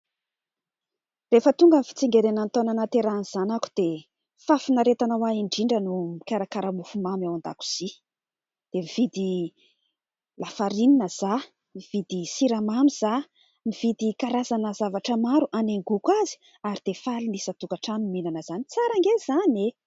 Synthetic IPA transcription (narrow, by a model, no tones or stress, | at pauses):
refət̪uŋɡəmifi̥t͡siŋɡeɾenant̪onanat̪eɾaniz̥anaku̥d̪̥e | fafinaɾet̪anawaiɳɖ͡ʐiɳɖ͡ʐənumikaɾakaɾamufumamawand̪a̰ku̥z̥i | d̪̥emiv̥id̪i | lafaɾininəz̥a | miv̥id̪isiɾamamiz̥a | miv̥id̪ikaɾazanəzavaʈ͡ʂəmaɾuʔaneŋɡukwazi̥ | aɾid̪̥efalinisət̪ukaʈ͡ʂaniminanəz̥anit͡saɾaŋɡez̥ane